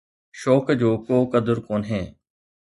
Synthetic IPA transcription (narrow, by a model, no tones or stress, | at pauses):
ʃoːkd͡ʑoːkoːkəd̪əɾkoːnɦeː